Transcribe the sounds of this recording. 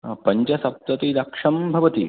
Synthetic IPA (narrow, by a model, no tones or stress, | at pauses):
pɐɲt͡ʃɐsɐp̚t̪ɐt̪id̪ɐkʂɐmbʱɐʋɐt̪ḭ